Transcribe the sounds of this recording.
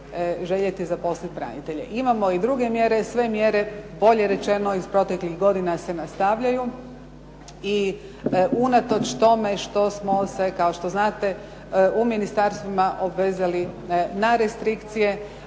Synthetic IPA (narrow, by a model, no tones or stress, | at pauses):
ʒe̞ʎet̪izapo̞slit̪̚pɾa̰nḭt̪e̞ʎḛʔimamo̞id̪ɾuɡe̞mje̞ɾe̞sʋe̞mje̞ɾe̞bo̞ʎe̞ɾe̞t͡ʃe̞no̞izpɾo̞t̪e̞klixɡo̞d̪inase̞nast̪aʋʎaju | i | unat̪o̞t͡ʃt̪o̞me̞ʃt̪o̞smo̞se̞kao̞ʃt̪o̞znaːt̪e̞ | uminist̪aɾst̪ʋimaʔobʋe̞ːzalinaɾest̪ɾikt̪sije̞